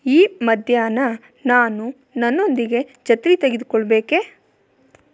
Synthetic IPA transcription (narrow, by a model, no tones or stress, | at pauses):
iːmɐd̪ʱjaːnɐ | naːnu | nɐnːo̞nd̪iɡe̞d͡ʒɐt̪ɾit̪eɡid̪ukɔɭbe̞ːke